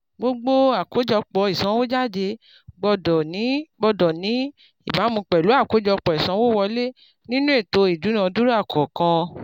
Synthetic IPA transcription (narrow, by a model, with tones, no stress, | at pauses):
ɡ͡bo˦ɡ͡bo˦a˦˨ko˨˦d͡ʒɔ˧k͡pɔ˧i˨sã˨˦wo˦d͡ʒa˦˨de˧ | ɡ͡bɔ˧dɔ˨nĩ˨˦ɡ͡bɔ˧dɔ˨nĩ˨˦ | i˨ba˨˦mũ˧k͡pɛ˨lu˨˦a˦˨ko˨˦d͡ʒɔ˧k͡pɔ˨i˨sã˨˦wo˦wɔ˧le˦ | nĩ˦nũ˦e˦˨to˧i˨du˨˦nã˧˨˧du˦ɾa˦˨kʰɔ˨kã˧